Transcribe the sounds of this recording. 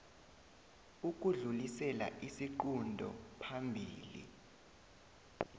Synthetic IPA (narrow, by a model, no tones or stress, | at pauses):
uk̬ʼuɮulisɛla̰ʔisiǃundʱɔ̰pʰambʱiːlḭ